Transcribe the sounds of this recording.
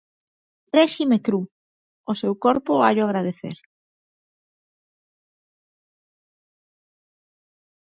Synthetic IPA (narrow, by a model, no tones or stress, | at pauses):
ɾɛʃimekɾu | ʊsewkoɾpʊa̰ʎoaɣɾaðeθḛɾ